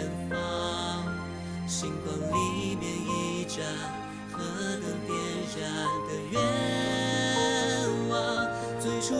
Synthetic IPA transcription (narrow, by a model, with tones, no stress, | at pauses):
nfɑ˥ŋ | ɕi˥ŋtɑ˧ŋli˧˦mjɛ˧ni˧ʈ͡ʂa˧˩ | xɤ˧˥d̪ə˧pjɛ˥nɻa˧ŋd̪ə˨˩ɥɛ˧˥ | nwɑ˧˥ | t͡swe˥ɪʈ͡ʂʰu˥